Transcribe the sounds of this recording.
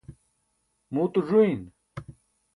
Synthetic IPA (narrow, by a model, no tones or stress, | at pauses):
muːt̪uʐuin